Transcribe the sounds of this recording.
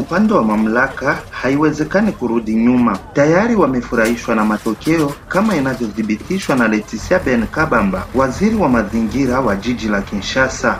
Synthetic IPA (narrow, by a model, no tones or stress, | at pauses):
upandɛwamam̩lakahaiwɛzɛkanikuɾuɗiɲumatajaɾiwamɛfuɾahiʃwanamatɔkɛɔkamainavjɔðiɓitiʃwanalɛtisiabɛnkaɓambawaziɾiwamaziŋɡiɾawad͡ʒid͡ʒilakinʃasa